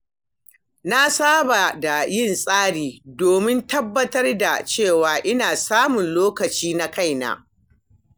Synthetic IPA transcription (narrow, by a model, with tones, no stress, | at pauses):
na˦saː˦ba˨da˨jɪ˦˨nsʼaː˦ɽiː˨doː˨mɪ˦ntɐ˦bːɐ˦tɐ˦rda˨t͡ʃeː˦˨waː˨ʔɪ˦naː˨saː˦mʊ˨nloː˦kɐ˨t͡ʃiː˦na˦ka˦˨jna̰ː˦